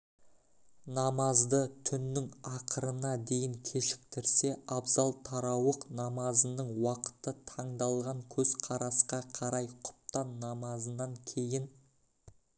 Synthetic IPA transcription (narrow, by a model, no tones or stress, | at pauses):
nɑmɑzd̪ət̪ʰʏnːɪŋɑqʰəɾənɑd̪e̞jɪŋkʲʰeʃɪ̥k̚t̪ɪɾse̞ɑbzɑlˠt̪ʰɑɾɑwəqnɑmɑzənəɴwɑqə̥t̪ət̪ʰɑɴd̪ɑlˠʁɑŋkʲʰɵz̥qʰɑɾɑsqɑqʰɑɾɑjqʰʊ̥p̚t̪ɑnːɑmɑzənːɑŋkʲʰe̞jɪn